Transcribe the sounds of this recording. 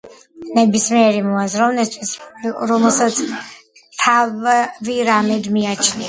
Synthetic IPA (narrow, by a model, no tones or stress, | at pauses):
nɛbismiɛɾimɔazɾɔvnɛst̪ʰwisɾɔmɛlˠsat̪sʰ | t̪ʰavviɾamɛd̪miat͡ʃʰnia